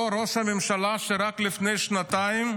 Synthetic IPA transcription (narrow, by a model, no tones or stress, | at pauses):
ɾoshamemʃalaʃeɾaklifnejʃnat̪aim